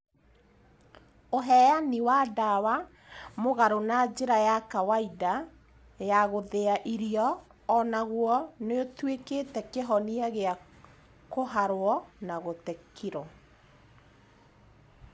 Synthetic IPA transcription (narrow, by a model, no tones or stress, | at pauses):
oɦɛjaniwadawa | moɣaɾonad͡ʒeɾajakawaida | jaɣoðeaʔiɾiɔː | naɣwɔneotwekeːtɛkeɦɔniaɣea | koɦaɾwɔnaɣotekiɾɔ